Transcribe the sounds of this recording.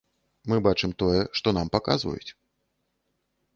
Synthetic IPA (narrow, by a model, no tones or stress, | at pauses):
mɨbat͡ʂɨmt̪ɔjɛʂt̪ɔn̪ampaka̰zvɐ̰jṵt͡sʲ